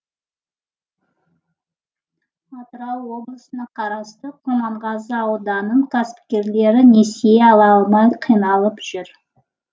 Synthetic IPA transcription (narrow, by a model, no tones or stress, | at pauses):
ɑt̪ɾɑlˠwo̞blˠəsənɑqʰɑɾɑst̪əqʰomɑɴʁɑzəɑwd̪ɑnəɴkʲʰasɪ̥p̚kʲe̞ɾle̞ɾɪne̞seeɑlˠɑlˠmɑjqʰijnɑlˠəpʒ̥ʏɾ